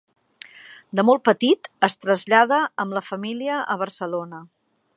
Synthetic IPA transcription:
d̪əmɔlˠt̪̚pət̪it̪əst̪ɾəzʎað̞əəmləfəmiliəʔəβ̞ərsəlonə

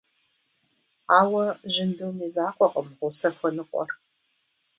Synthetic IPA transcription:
aːwɐʒɪndɨwmiːzaːqʷʼɔqʼəmʁʷʊsɐxʷɐnɨqʷʼɔ̰r

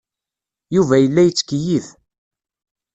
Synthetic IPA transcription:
juvæjəlːæjət͡sːkəjið

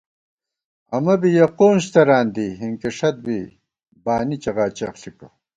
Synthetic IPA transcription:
ɐmɐbijɐqoːnɕt̪ɐɾaːnd̪iɦiŋkiʂɐt̪̚bi | baːnit͡ɕɐɣaːt͡ɕɐxɬiko

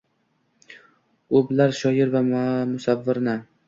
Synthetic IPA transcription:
oblaɾʃɒjɪɾvamʊsavːɪɾnɪ

